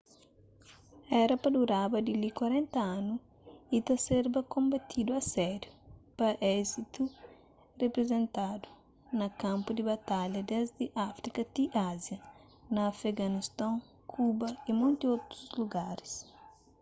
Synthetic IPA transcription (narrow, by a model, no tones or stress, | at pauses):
ɛɾɐpɐd̪uɾabɐd̪ilikwɐɾẽnt̪ɐanu | it̪ɐseɾbɐkõmbɐt̪ʰid̪uɐsɛɾjupɐʔɛzit̪u | repɾezẽnt̪ad̪u̥ | nɐkãmpud̪ibɐt̪aʎɐd̪ɛzd̪ɪʔafɾikɐt̪iʔazjɐ | nɐfeɡɐnist̪ãŋ | kʰubɐimõnt̪iot̪ɾuzluɡaɾi̥s